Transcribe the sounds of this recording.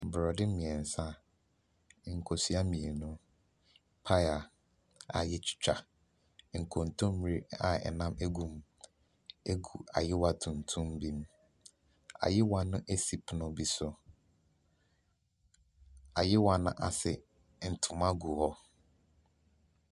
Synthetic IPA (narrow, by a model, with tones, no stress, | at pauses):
bɾɔ˨dɪ˦mĩ˨ɛ˨n̩˨sã˦˨ | ŋ̩˨kʰo˨si˦a˦mĩ˨e˨nʊ̃˦ | pʰa˦ja˨ | a̰˨jɪ˦t͡ɕʰɪ̥˦t͡ɕᶣa˨ | ŋ̩˨kʰõ˨n̩˨tʰʊ̃˦m˦m˦ɾi˦a̰˨ɛ̰˨nã˦mʔe˦ɡũ˨m | e˦ɡu˨a̰˨jɪ˦wa˨tʰũ˨n̩˨tʰũ˦m˦bi˦m | a̰˨jɪ˦wã˦nʊ̃˦ʔe˦si˨pʰnʊ̃˨bi˦sʊ˨ | a˨jɪ˦wa˦nʊ̰̃˦ʔa˨sɪ˨ | n̩˨tʰʊ̃˨mã˦ɡu˨hɔ˦